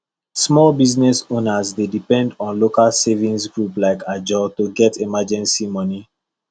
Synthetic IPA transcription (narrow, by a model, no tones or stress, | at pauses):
smɔlbiznɛsõnazdedipɛ̃ndɔ̃nlokalsevĩnsɡɹuplaɪkad͡ʒɔtuɡɛtʰimad͡ʒɛ̃nsimɔni